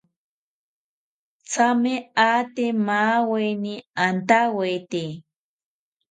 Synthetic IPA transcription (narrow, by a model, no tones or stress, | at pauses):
t͡sameaːt̪emaweniant̪awet̪e